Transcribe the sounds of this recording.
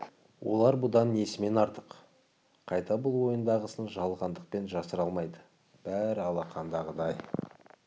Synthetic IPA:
wʔo̞̰lˠɑɾbʊd̪ɑnːe̞sɪme̞nɑɾt̪əq | qʰɑjt̪ɑbʊlˠwo̞jənd̪ɑʁəsənʒɑlˠʁɑnd̪əq̚pe̞nʒɑsəɾɑlˠmɑjd̪ə | b̥æɾɑlˠɑqʰɑnd̪ɑʁəd̪ɑj

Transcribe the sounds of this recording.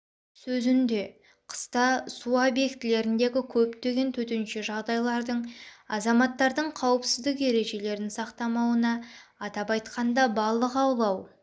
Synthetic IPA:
sɵzɪnd̪e̞ | qʰə̥st̪ɑsuabje̞kt̪ɪle̞ɾɪnd̪e̞ɡʲɪkʲʰɵpt̪e̞ɡʲe̞nt̪ʰɵt̪ɪnʃɪʒɑʁd̪ɑjlˠɑɾd̪əɴɑzɑmɑt̪ːɑɾd̪əɴqʰɑwəpsɪzd̪ɪke̞ɾe̞ʒe̞le̞ɾɪnsɑqt̪ɑmɑwənɑːt̪ɑpɑjt̪qɑnd̪ɑbɑlˠːəqɑwlˠɑw

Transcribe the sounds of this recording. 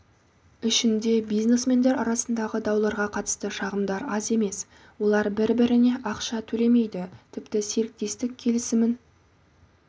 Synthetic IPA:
ɪʃɪnd̪e̞bijzne̞sme̞nd̪e̞ɾɑɾɑsənd̪ɑʁəd̪ɑwlˠɑɾʁɑqʰɑt̪ə̥st̪əʃɑʁəmd̪ɑɾɑze̞me̞s | wo̞lˠɑɾbɪɾbɪɾɪne̞ʔɑqʃɑt̪ʰɵle̞me̞jd̪ɪt̪ʰɪpt̪ɪse̞ɾɪk̚t̪e̞st̪ɪkʲʰe̞lɪsɪmɪn

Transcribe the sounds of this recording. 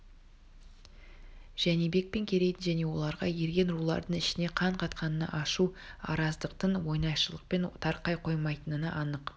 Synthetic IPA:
ʒ̥ænebe̞k̚pe̞ŋkʲʰe̞ɾe̞jt̪ɪnʒæne̞wo̞̰lˠɑɾʁɑje̞ɾɡʲe̞nɾulˠɑ̰ɾd̪əɴɪʃɪne̞qʰɑɴqʰɑt̪qɑnənɑ̰ʔɑʃuɑ̰ɾɑzd̪əqt̪ənwo̞jnɑjʃəlˠəq̚pe̞nt̪ʰɑɾqɑjqʰo̞jmɑjt̪ənənɑʔɑnəq

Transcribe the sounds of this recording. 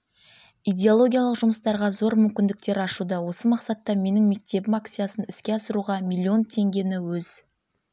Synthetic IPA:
ijd̪ʲe̞olˠo̞ɡʲijalˠəqʒʊməst̪ɑɾʁɑzo̞ɾmʏmkʲɪnd̪ɪk̚t̪e̞ɾɑʃud̪ɑwo̞səmɑqsɑt̪ːɑme̞nɪŋme̞k̚t̪e̞bɪmak̚t̪sɨjasənɪskʲe̞ɑsəɾuʁɑmʲilʲˠːio̞nt̪ʰe̞ŋɡʲe̞nɪwɵz̥

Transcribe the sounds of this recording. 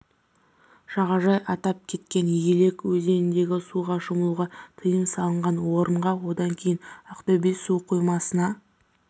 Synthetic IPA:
ʃɑʁɑʒɑjɑt̪ɑp̚kʲʰe̞t̪̚kʲe̞njele̞kwɵze̞nɪnd̪e̞ɡʲɪsuʁɑʃʊməlˠuʁɑt̪ʰəjəmsɑlˠəɴʁɑnwo̞ɾəɴʁɑwo̞d̪ɑŋkʲʰe̞jɪnɑqt̪obijsuqʰujmɑsənɑ

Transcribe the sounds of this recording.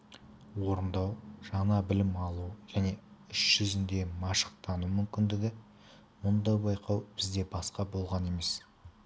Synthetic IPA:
wo̞ɾənd̪ɑwʒɑnɑbɪlɪmɑlˠuʒ̥æne̞ʏʃʒ̥ʏzɪnd̪e̞mɑʃə̥q̚t̪ʰɑnumʏmkʲɪnd̪ɪɡʲɪ | mʊnd̪ɑjbɑjqɑwb̥ɪzd̪e̞bɑsqɑbo̞lˠʁɑne̞me̞s

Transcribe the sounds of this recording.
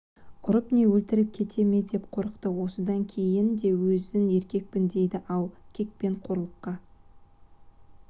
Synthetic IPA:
ʊɾəpne̞wɵlt̪ɪɾɪp̚kʲʰe̞t̪ʰe̞me̞d̪e̞p̚qʰo̞ɾəqt̪əwo̞səd̪ɑŋkʲʰe̞jɪnd̪e̞wɵzɪne̞ɾkʲe̞k̚pɪnd̪e̞jd̪ɪʔɑlˠkʲʰe̞k̚pe̞ɴqʰo̞ɾəlˠəqːɑ

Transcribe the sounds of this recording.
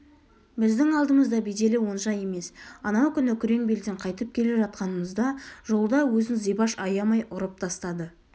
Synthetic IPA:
bɪzd̪ɪŋɑlˠd̪əməzd̪ɑbejd̪e̞lɪwo̞nʒɑje̞me̞sɑnɑwkʲʰʏnɪkʲʰʏɾe̞ŋbe̞ld̪eɴqʰɑjt̪əp̚kʲʰe̞le̞ʒɑt̪̚qɑnəməzd̪ɑʒo̞lˠd̪ɑwɵzɪnzijbɑʃɑjɑmɑjʔʊɾəp̚t̪ʰɑst̪ɑd̪ə

